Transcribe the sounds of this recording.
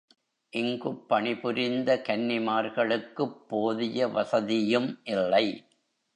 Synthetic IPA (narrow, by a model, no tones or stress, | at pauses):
ʔɪŋɡɯpːɐɳɪpʊɾɪnd̪ɐkɐnːɪmaːɾɣɐɭɯkːɯpːoːðɪjɐʋɐsɐðɪjɯmʔɪlːɐɪ